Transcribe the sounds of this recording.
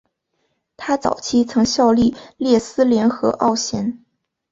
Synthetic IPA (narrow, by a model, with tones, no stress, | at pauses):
t̪ʰa˥t͡sɑ̰˨˩ʊt͡ɕʰi˥t͡sʰɤ˧˥ŋɕjɑ˥˧ʊli˥˧˩ljɛ˥˩sɹ̩˥ljɛ˧˥nxɤ˧˥ʔɑ̰˥˩ʊɕjɛ˧˥n